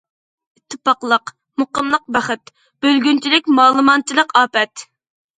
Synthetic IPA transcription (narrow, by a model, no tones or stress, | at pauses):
it̪ʰːɪpɑqlˠəq | moqəmlˠəq̚bæχɨt̪ | b̥ølɡʲynt͡ʃʰilɪkʲmɑːlˠɨmɑnt͡ʃʰilˠəqɑːpɛt̪